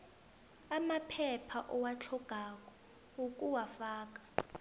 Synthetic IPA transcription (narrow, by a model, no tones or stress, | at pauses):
amapʰɛpʰaʔɔwat͡ɬʰɔɡ̥ʱak̬ʼɔ | ukʼuwafaːk̬ḁ